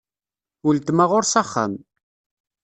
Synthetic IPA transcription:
ʊlt̪maʁʊɾsaχːa̰m

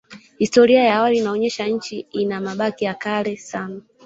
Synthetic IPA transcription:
histɔɾiajaːwaliːnaɔɲɛʃaɲ̩t͡ʃiinamaɓakijakalɛsana

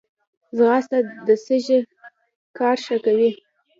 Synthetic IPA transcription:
zɣɑst̪ad̪əsəʒe | kɑɾʃakawi

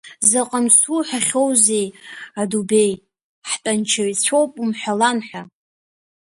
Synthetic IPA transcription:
zaqʼamsuħaχʲo̞wze̞jadube̞j | ħtʼant͡ʃʰaɥt͡sʷʰo̞wpʼumħʷᶣalanħʷᶣa

